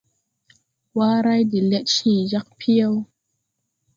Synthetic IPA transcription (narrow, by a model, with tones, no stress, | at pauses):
waː˦ɾa˦jdi˨le˦t̚ʃĩː˨d͡ʒa˦k̚pʰi˦ja˦w